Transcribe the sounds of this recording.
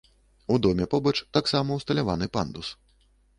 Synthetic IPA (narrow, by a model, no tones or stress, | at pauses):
ud̪ɔmʲɛpɔbɐt͡ʂt̪aksamɐwst̪ɐlʲavanɨpa̰nd̪us